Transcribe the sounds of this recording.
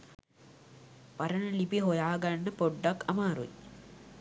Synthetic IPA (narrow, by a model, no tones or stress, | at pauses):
ʋaɾənəlipiɦojaːɡanːəpoɖːakɐmaːɾṵi